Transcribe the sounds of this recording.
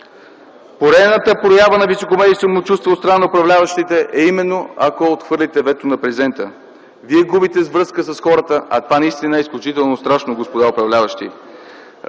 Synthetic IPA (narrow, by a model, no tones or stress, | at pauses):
poɾɛnət̪əpɾojabənɐvisokomɛd̪ijsomot͡ʃust̪vot̪st̪ɾnanɐopɾɐvlʲavəʃt̪it̪ɛʔɛimɛnːoɐ̰koot̪xvɤɾlʲit̪ɛvɛt̪onɐpɾɛzɛnt̪ə | viɛɡubit̪ɛzvɾɤskəsɐsxɔɾət̪əʔɐ̰t̪ovanɐist̪inəɛisklʲut͡ʃit̪ɛlˠnost̪ɾaʃnoɡospod̪aopɾɐvlʲavəʃt̪ḭ